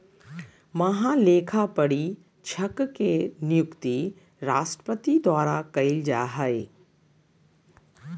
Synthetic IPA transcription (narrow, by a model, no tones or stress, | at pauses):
mɐɦãleːkʰapɐɽi | t͡ʃʰɐkkenɪjʊkt̪i | ɾaːʃʈɾə̥pət̪id̪waːɾakɐild͡ʒaːɦəe